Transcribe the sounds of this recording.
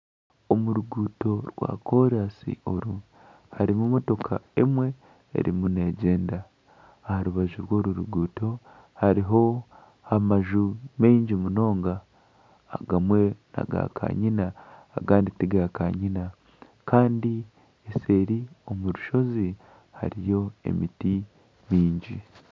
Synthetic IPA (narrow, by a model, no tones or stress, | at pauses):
omuɾuɡuːto̞ɾwa̰ːko̞ɾasḭo̞ɾu | haɾimumo̞to̞kʰa̰emwe̞̰ː | ɾḭmune̞ɟe̞ːndaː | haɾuβaʒuɾwo̞ːɾuɾuɡuːto̞ | haɾiɦo̞ | amaʒumeːɲɟimuno̞ːŋɡa̰ː | ɡamwe̞na̰ɡa̰kʰa̰ɲinaː | ɡaːnditiɡakaɲina | kaːndi | ese̞ːɾio̞muɾuʃo̞zi | ha̰ɾijo̞e̞̰miti | miːɲɟi